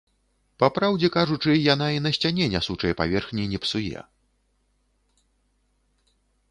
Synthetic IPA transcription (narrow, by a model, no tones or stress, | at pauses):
papɾawd͡zʲɛkaʐut͡ʂɨjan̪ainɐsʲt͡sʲanʲɛnʲasut͡ʂɐjɛpa̰vʲɛrxnʲinʲɛpsujɛ̰